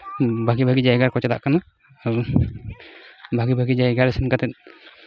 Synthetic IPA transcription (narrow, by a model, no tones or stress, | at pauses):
bʱaɡibʱaɡid͡ʒajɡaɾkɔt͡ʃɛd̪a̰ʔkanaː | ɾ | bʱaɡibʱaɡid͡ʒajɡaɾɛsɛnkat̪ɛt̪̚ˀ